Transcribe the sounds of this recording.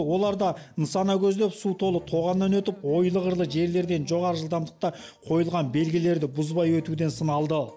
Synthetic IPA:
wo̞lˠɑɾd̪ɑnəsɑnɑkʲʰɵzd̪e̞psut̪ʰo̞lˠət̪ʰo̞ʁɑnːɑnwɵt̪ɪpwo̞jlˠəʁəɾlˠəʒe̞ɾle̞ɾd̪e̞nʒo̞ʁɑɾəʒəlˠd̪ɑmd̪əq̚t̪ɑqʰo̞jəlˠʁɑnbe̞lɡʲɪle̞ɾd̪ɪbʊzbɑjwɵt̪ud̪e̞nsənɑlˠd̪ə

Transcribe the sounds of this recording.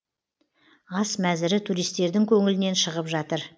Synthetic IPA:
ɑsmæzɪɾɪt̪ʰuɾijst̪e̞ɾd̪ɪŋkʲʰɵŋɪlɪne̞nʃəʁəpʒɑt̪əɾ

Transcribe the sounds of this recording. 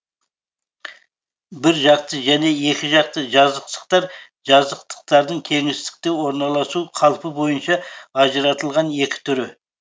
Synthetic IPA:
bɪɾʒɑq̚t̪əʒæne̞e̞kʲɪʒɑq̚t̪əʒɑzəqt̪ə̥q̚t̪ɑɾ | ʒɑzəqt̪ʰə̥q̚t̪ɑɾd̪əɴt̪ʲʰe̞ŋɪst̪ɪ̥k̚t̪e̞wo̞ɾnɑlˠɑsuqʰɑlˠəpəbo̞jənʃɑːʒəɾɑt̪əlˠʁɑne̞kʲɪ̥t̪ʰʏɾɪ

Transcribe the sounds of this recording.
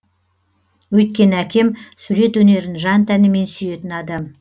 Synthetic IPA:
wɵjt̪̚kʲe̞nəækʲʰe̞msuɾe̞t̪wɵne̞ɾɪnʒɑnt̪ʰænɪme̞nsʏje̞t̪ɪnɑd̪ɑm

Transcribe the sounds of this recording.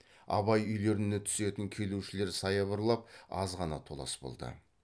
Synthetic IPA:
ɑ̰βɑjʏjle̞ɾɪnet̪ʰʏ̥se̞t̪ɪŋkʲʰe̞luʃɪle̞ɾsɑjɑβəɾlˠɑp̚ɑzʁɑnɑt̪ʰo̞lˠɑ̰sbo̞̰lˠd̪ə̰

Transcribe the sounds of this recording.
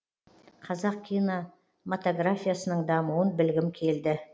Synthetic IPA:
qʰɑzɑq̚kʲʰijno | mot̪oɡɾafʲijasənəɴd̪ɑmuwənbɪlɡʲɪmkʲʰe̞ld̪ɪ

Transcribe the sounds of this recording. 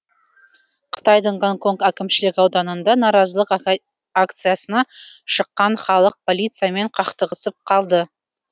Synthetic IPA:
qʰə̥t̪ɑjd̪əɴɡoŋkʰo̞ŋkækʲɪmʃɪlɪkʲɑwd̪ɑnənd̪ɑnɑɾɑzəlˠəq | akt̪sɨjasənɑʃəqːɑnχɑlˠəq̚pʰo̞lʲijt̪sɨjame̞ɴqʰɑqt̪əʁəsəp̚qʰɑlˠd̪ə

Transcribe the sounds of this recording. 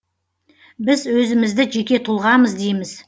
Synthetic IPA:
bɪzwɵzɪmɪzd̪ɪʒe̞kʲe̞t̪ʰʊlˠʁɑməzd̪ejmɪz̥

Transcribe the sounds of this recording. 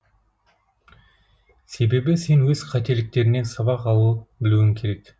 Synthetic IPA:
se̞be̞bɪse̞nwɵz̥qʰɑt̪e̞lɪk̚t̪e̞ɾɪne̞nsɑβɑqɑlˠuəbɪluɪŋkʲʰe̞ɾe̞k

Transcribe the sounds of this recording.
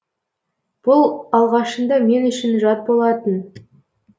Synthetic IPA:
b̥ʊlˠɑlˠʁɑʃənd̪ɑme̞nʏʃɪnʒɑt̪̚bo̞lˠɑt̪ən

